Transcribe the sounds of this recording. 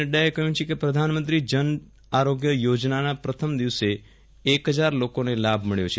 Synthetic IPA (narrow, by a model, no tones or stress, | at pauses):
eɖaekəɦũt͡ʃʰekepɾəd̪ʱanmənt̪ɾid͡ʒən | aɾoɡjəjod͡ʒnanapɾət̪ʰəmd̪iʋse | ekɦəd͡ʒaɾlokonelabʱməɭjo̰t͡ʃʰe